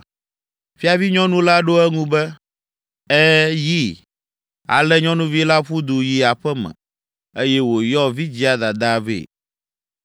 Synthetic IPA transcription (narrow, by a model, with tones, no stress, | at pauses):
fi˦a˨vi˦ɲɔ̃˦nũ˦la˦ɖo˦ɛ˦ŋũ˦bɛ˦ | ɛ˦ji˦ | a̰˨lɛ˦ɲɔ̃˦nũ˦vi˦la˦ɸu˦d̪u˨ji˨a˨ɸɛ˦mɛ̰̃˨ | e˦jɛ˦wo˨jɔ˦vi˦d͡ʑi˦a˨d̪a˨d̪a˦vḛ˨